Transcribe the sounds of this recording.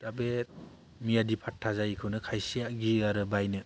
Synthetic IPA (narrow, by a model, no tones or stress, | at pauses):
tabet̚ | mijadipʰatʰːazajkʰɯnɯkʰajsijaɡiaɾɯbajnɯ